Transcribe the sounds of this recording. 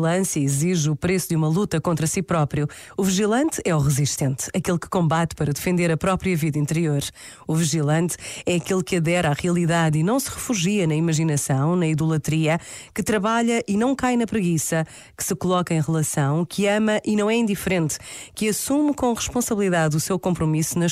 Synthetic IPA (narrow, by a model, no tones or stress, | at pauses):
lˠɐ̃sjɐiziʒupɾesud̪jumɐlˠut̪ɐkõnt̪ɾɐsipɾɔpɾiu | uviʒilˠɐ̃nt̪ɛuʁɨziʃt̪ẽnt̪ɐkelˠkɨ̥kõmbat̪pɐɾɐd̪ɨfẽnd̪eɾɐpɾɔpɾiɐviðɐĩnt̪ɨɾioɾ | uviʒilˠɐ̃nt̪ɛɐkelˠkɐðɛɾaʁiɐlˠiðaðinɐ̃w̃sɨʁɨfuʒiɐnɐimɐʒinɐsɐ̃w̃nɐiðulˠɐt̪ɾiɐkɨt̪ɾɐβaʎɐʔinɐ̃w̃kajnɐpɾɨɣisɐ | kɨ̥sɨkulˠɔkɐẽj̃ʁɨlˠɐsɐ̃w̃kʰɨɐmɐʔinɐ̃w̃ɛĩnd̪ifɾẽnt̪kɨɐsumkõʁɨʃpõsɐβlˠiðaðusewkõmpɾumisunɐ